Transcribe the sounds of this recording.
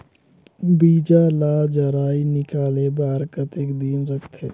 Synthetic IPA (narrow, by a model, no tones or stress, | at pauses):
biːd͡ʒalaːd͡ʒəɾaːinɪkaːlebaːɾkət̪ekd̪iːnɾəkʰt̪ʰe